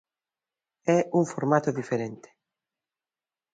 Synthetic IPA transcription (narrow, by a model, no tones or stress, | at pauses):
ɛuŋfoɾmat̪oðifeɾent̪ɪ̥